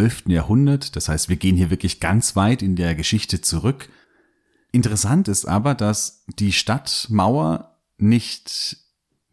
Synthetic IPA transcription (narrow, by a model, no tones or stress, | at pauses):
ɛlftn̩jaːɐhʊndɐtd̥ashaɪstv̥iːɐɡeːənhiːɐvɪɐklɪçɡ̥ant͡sv̥aɪtɪndeːɐɡəʃɪçtət͡suʁ̞ʏk | ʔɪntəʁ̞ɛsantɪstʔa̰ːbɐdasd̥iːʃtatmaʊɐ | nɪçt